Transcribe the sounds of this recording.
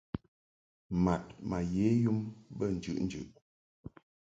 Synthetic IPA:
ma˨t̚ma˨je˨˦ju˦mbə˦˨n̩˨d͡ʒʉ̰˨ʔn̩˦d͡ʒʉ̰˨ʔ

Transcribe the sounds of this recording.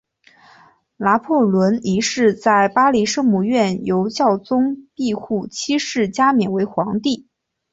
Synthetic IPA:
la˧˥pʰɔ˥˩lwə˧˥ni˧˥ʂɻ̩˥˧t͡sa˥˩ɪpa˥li˧˥ʂɤ˥ŋmu˧ɥɛ˥˩njo˧˥ʊt͡ɕjɑ˥˩ʊt͡sʊ˥ŋpi˥˧xu˥˩t͡ɕʰi˥ʂɻ̩˥˩t͡ɕja˥mjɛ˨˩nwe˧˥ɪxwɑ˧˥ŋt̪i˥˩

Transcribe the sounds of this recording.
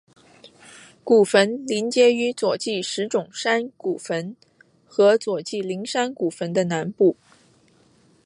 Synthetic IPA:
ku˨˩fə˧˥nli˧˥nt͡ɕjɛ˥y˧˥t͡swɔ˨˩t͡ɕi˥˩ʂɻ̩˧˥ʈ͡ʂʊ˨˩ŋʂa˥nku˨˩fə˧˥n | xɤ˧˥t͡swɔ˨˩t͡ɕi˥˩li˧˥ŋʂa˥nku˨˩fə˧˥nd̪ə˧na˧˥npu˥˩

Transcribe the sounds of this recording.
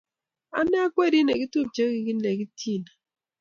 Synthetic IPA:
a˦nɛ˦a˦kwe˦˨ɾi˦ne˨ɡi˦tu˦t͡ʃe˦ɡi˨ki˦ne˨ki˦tʰi˦˨na˨

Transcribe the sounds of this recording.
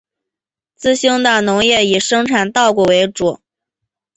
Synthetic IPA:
t͡sɹ̩˥˧ɕi˥ŋd̪ə˨˩nʊ˧˥ŋjɛ˥˩i˨˩ʂɤ˥ŋʈ͡ʂʰa˨˩nt̪ɑ˥˧ʊkwɔ˥˩we˧˥ɪʈ͡ʂu˨˩˦

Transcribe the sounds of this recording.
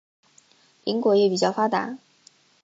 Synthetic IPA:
lḭ˧˥ŋkwɔ˧˥jɛ˧˥˩pi˨˩t͡ɕjɑ˥˩ʊfa˥t̪a̰˨˧˥

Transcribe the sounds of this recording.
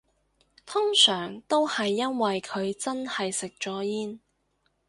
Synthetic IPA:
t̪ʰʊ˥ŋsœː˨˩ŋt̪o˥whɐ˨jːɐ˥nwɐ˨jkʰɵ˨˧ɥt͡sɐ˥nhɐ˨jsɪ˨k̚t͡ʃɔː˨˥jiː˥n

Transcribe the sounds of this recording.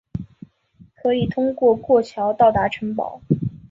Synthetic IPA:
kʰɤ˧˥i˨˩t̪ʰʊ˥ŋkwɔ˥˧kwɔ˥˩t͡ɕʰjɑ˧˥ʊt̪ɑ˥˩ʊt̪a˧˥ʈ͡ʂʰə˧˥ŋpɑ̰˨˩˦ʊ

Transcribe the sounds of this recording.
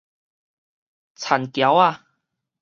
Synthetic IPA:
t͡sʰa˨˩nkja˨˦wa˥˧

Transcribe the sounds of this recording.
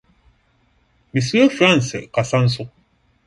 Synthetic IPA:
bi˨su˦ɛ˦fɾa˦˨n˨sɛ˨ka˨sa˦n̩˦s̬u˦k̚

